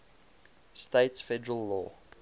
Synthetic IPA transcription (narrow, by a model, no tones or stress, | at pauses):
steɪtsfɛdəɹəlːɔ̰ː